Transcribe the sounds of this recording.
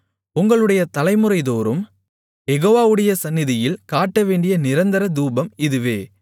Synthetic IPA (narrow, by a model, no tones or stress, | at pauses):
ʊŋɡɐɭɯɽɐjɐt̪ɐlɐɪmɯɾɐɪðoːɾɯm | jɛɣoːʋaːʋɯɽɐjɐsɐnːɪðɪjɪlkaːʈːɐʋeːɳɖɪjɐnɪɾɐnd̪ɐɾɐd̪uːbɐmɪðɯʋeː